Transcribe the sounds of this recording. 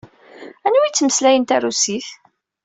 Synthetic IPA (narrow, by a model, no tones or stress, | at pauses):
ænwit͡sːməslæjənt̪ærusiθ